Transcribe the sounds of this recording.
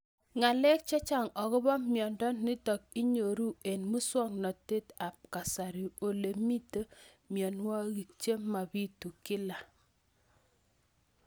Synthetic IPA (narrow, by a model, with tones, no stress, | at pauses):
ŋa˨lɛ˦k̚t͡ʃe˦t͡ʃa˨ŋɔ˨kɔ˦bɔ˦mjɔ˨ndɔ˦nːi˦tɔ˨k̚i˦ɲo˨ɾu˦e˨nmu˦swɔ˦ŋnɔ˨te˦ta˨p̚ka˨sa˨ɾi˨o˨le˨mi˦te˦ | mjɔ˨nwa˦ɣi˨k̚t͡ʃe˦ma˨bi˦tu˨ki˦la˨